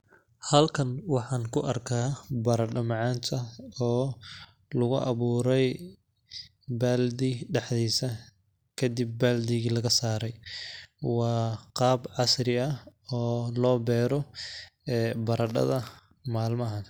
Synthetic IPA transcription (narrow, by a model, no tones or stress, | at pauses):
hɐlkʰɐnwɑħɑːnkʰʊʔɐrkʰaːbɐɾɐɖɐmɑʕɑːnt̪ʰɐɔː | lʊɣʊʔɐβuːɾɛj | baːld̪iɖɑħd̪iːsɐ | kʰɐd̪ɪb̚ːaːld̪ɪɣilɐɣɐsaːɾɛj | wɑːqɑːbʕɑsɾɪɐɔːlɔːbɛːɾɔ | ɛːbɐɾɐɖɐ̰ðɐ | maːlmɐɦɐn